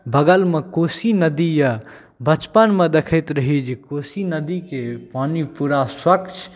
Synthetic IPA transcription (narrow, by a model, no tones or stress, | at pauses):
bəɡəlmekosinəd̪ijə | bət͡ʃpənmed̪ekʰəɪt̪ɾəɦid͡ʒikosinəd̪ikepaːnipuɾaswəkt͡ʃʰ